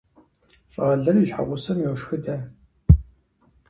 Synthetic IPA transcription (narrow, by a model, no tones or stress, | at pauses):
ɕʼɐɐɮɐriɕħa̰ʁʷʊsɐmjoːʂxɨdɐ